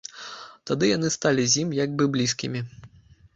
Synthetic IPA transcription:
t̪ad̪ɨjan̪ɨst̪alʲizʲjimjaɡ̚bɨblʲiskʲḭmʲi

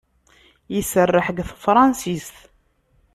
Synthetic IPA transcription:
jisərːəħəɡθəfɾˤɑnsist̪

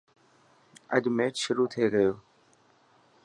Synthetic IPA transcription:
ə̰ʄʱmeːtʃʊɾuːt̪ʰeːɡəjoː

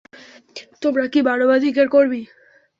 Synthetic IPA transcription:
t̪obɾakibaɽobad̪ikeʈkoɾbi

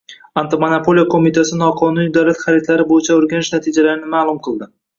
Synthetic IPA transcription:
ant̪ɪmanapʰo̞lijakʰomit̪ʰasɪnɒqʰɒnunid̪awlat̪χaɾit̪laɾɪbojɪt͡ʃʰaoɾɡʲanɪʃnat̪ʰid͡ʒalaɾɪnɪmaːlˠʊmqʰɨlˠd̪ɪ

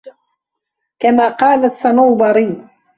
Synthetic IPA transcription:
kamaːqɑːlasanawbɑɾiːn

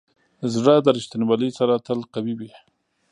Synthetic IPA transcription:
zɽəd̪əɾɪʃt̪ɪnwalisaɾat̪əlqawibi

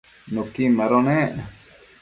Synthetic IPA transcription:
nõkimãɾonẽʔ

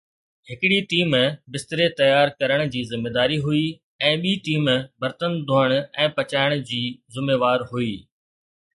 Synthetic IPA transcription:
hɪkɪɽiʈiːmbɪst̪ɾet̪ɐjaːɾkɐɾəɽ̃d͡ʑiːzɪmːeːd̪aːɾiɦui | ɛ̃ːɓiːʈiːmbɐɾt̪ənd̪ʱoːəɽ̃ɛ̃ːpɐt͡ɕaːɪɽ̃d͡ʑiːzʊmeːʋaːɾɦuiː

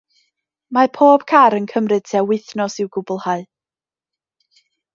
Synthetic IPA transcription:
mapʰoːb̥kʰaɾənkʰəmrɨd̥̚tʰiawɪθnɔsɪwɡʊbʊlˠhaɨ

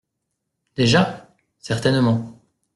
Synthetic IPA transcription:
d̪̥eʒa | sɛʁt̪ɛnmɑ̃

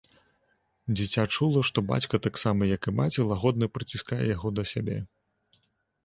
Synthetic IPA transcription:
d͡zʲit͡sʲat͡ʂulˠɐʂt̪ɔba̰t͡sʲkɐt̪aksamɐjɐkɨmat͡sʲɛlˠaɣɔd̪nɐpɾɨt͡sʲiskajɛ̰jaɣɔd̪ɐsʲabʲɛ̰

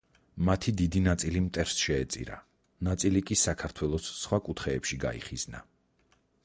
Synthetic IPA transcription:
mat̪ʰid̪id̪inat̪sʼilimt̪ʼɛɾsʃɛːt̪sʼḭɾa̰ | nat̪sʼilikʼisakʰaɾt̪ʰwɛlˠɔsːχwakʼut̪ʰχɛːpʃiɡa̰ḭχizna̰

